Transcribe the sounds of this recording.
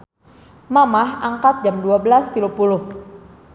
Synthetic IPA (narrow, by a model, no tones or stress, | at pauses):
mamahʔaŋkat̪̚d͡ʒamduabəlast̪ilupulʊh